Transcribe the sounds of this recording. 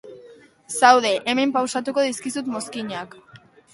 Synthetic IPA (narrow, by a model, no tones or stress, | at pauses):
sawðe̞ʔeme̞mpawsat̪uko̞ðiskisut̪mo̞skiɲak